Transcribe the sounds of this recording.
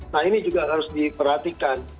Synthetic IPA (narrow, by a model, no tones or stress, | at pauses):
nahinid͡ʒuɡaɦaɾʊsdipərhat̪ikan